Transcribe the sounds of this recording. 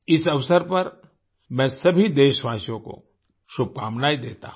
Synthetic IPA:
ɪsɐʋsəɾpɐɾ | mɛ̃ːsɐbʱid̪eːʃʋaːsjõko̰ | ʃʊb̚kaːmnaːid̪eːt̪a̰ɦ

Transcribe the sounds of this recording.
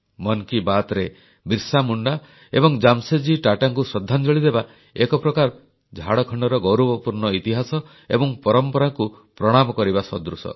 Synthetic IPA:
mɔnkibat̪ɾe | biɾsamuɳɖa | ḛbɔŋd͡ʒamsed͡ʒiʈaʈaŋkusɔd̪ʱːand͡ʒɔɭid̪eba | ekɔpɾɔkaɾ | d͡ʒʱaɽɔkʰɔɳɖɔɾɔɡɔwɾɔbɔpuɾɳɔit̪iɦasɔ | ḛbɔŋpɔɾɔmpɔɾaŋku | pɾɔɽ̃amɔkɔɾibasɔd̪ɾusɔ̰

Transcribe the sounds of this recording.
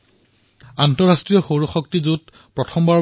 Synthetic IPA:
antɔɹastɹijɔxoɹuxɔktizut̚ | pɹɔtʰɔmbaɹ

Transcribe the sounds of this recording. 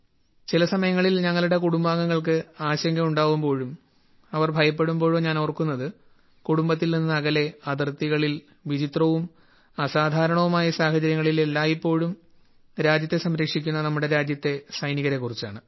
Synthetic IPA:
t͡ɕilɐsɐmɐjɐŋːɐɭilɲɐŋːɐɭuɽe̞kuɽumbaːŋɡɐŋːɐɭk̬ɨaːɕɐŋɡʱɐmuɳɖaːɣumbo̞ːɻum | ɐʋɐrbʱɐjɐp̬ːe̞ɽumbo̞ːɻoːɲaːnorkːunːɐðɨ | kuɽumbɐt̪ːilninːɨɐɣɐle̞ɐd̪rt̪ːiɣɐɭil | ʋid͡ʑit̪rɐʋum | ɐsaːd̪ʱaːɾɐɳɐʋumaːjɐsaːhɐt͡ɕɐɾjɐŋːɐɭilelːaːipːo̞ːɻum | ɾaːd͡ʑjɐt̪ːe̞sɐmɾɐkʂikʲːunːɐnɐmːuɽe̞ɾaːd͡ʑjɐt̪ːe̞sɐjniɣɐɾe̞kːurit͡ɕːaːɳɨ

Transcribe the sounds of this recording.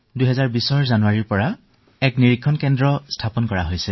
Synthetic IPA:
dujɦɛzaɹbisɔɹzanuwaɹiɹpɔɹa | ɛkniɹikʰːɔnkɛndɹɔstʰapɔnkɔɹa̰ɦojsɛ

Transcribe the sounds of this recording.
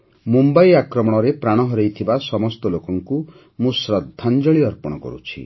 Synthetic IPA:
mumbajakɾɔmɔɽ̃ɔɾepɾaɽ̃ɔɦɔɾejt̪ʰibasɔmɔst̪ɔlokɔŋku | mũsɾɔd̪ʱːand͡ʒɔɭiɔɾpɔɽ̃ɔkɔ̰ɾṵt͡ʃʰḭ

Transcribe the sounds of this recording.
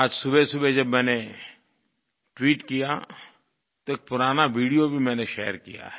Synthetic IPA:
aːd͡ʒsʊbesʊbed͡ʒɐbmɛ̃ːne | ʈwiːʈkija | t̪oeːk̚pʊɾaːnaʋiːɽijobʱimɛ̃ːneʃɛ̰ːəɾkḭja̰ɦɛ

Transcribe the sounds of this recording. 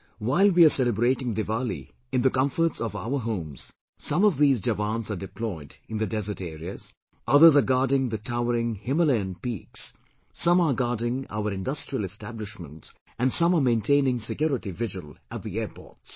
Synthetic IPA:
waɪlwiasɛləbɾeːʈɪ̃ŋd̪ɨvalḭ | ɪ̃nd̪əkʌ̃ɱfəɾʈsɔva̰ʊəɦõːmz̥ | sʌ̃mɔvðiːzd͡ʒəvãːnzaɖɪplɔɪdɪ̃nd̪ədɛzəɾʈeːɾiəz | ʔʌðəzəɡɑːdɪ̃ŋðətʰaʊəɾɪ̃ŋhɪ̃məlẽnpḭːksː | ʌ̃maɡɑːdɪ̃ŋa̰ʊəɾɪ̃ndʌstɹ̥iəlɛstæblɪʃmə̰̃nts | æ̃nsʌ̃məmẽɪ̃ntʰẽɪnɪ̃ŋsɪkjɔɾɪʈivɪʒə̰lˠæt̚ðiɛːɾpɔ̰ːɹts

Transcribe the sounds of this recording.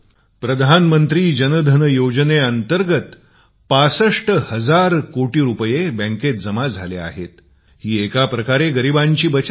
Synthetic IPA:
pɾəd̪ʱanmənt̪ɾiːd͡ʑənəd̪ʱənəjod͡ʑneənt̪əɾɡət̪ | pasəʂʈəhəd͡zaɾkoʈiːɾupəjebə̃ŋket̪̚d͡zəmad͡zʱalea̰ɦḛt̪ | hiːekapɾəkaɾeɡəɾibaɲt͡ɕiːbət͡ɕ

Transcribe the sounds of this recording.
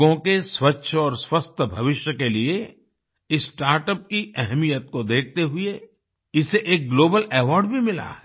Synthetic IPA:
õkeswɐtːʃʰɔːɾswɐst̪ʰəbʱɐʋɪʃjəkelie | ɪsʈaːɾʈəp̚kiʔɛɦmijət̪̚kod̪eːk̚ʰt̪eɦʊe | ɪseʔeːk̚ɡloːbəlɛːʋɔːɾɖbʱimɪla̰ɦɛ

